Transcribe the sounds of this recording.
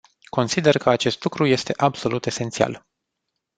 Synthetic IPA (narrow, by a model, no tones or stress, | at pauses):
ko̞nsid̪e̞rkəat͡ʃe̞st̪lukɾuje̞st̪e̞ʔabso̞lut̪e̞se̞nt̪sia̰l